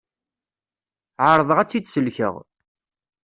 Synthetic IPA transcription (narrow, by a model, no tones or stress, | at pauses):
ʕəɾˤðˤəʁæt͡sːid̪səlçə̰ʁ